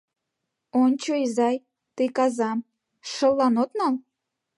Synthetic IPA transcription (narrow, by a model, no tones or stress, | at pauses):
ont͡ɕoizɑj | t̪ekɑzɑm | ʃə̆lːɑnot̪nɑl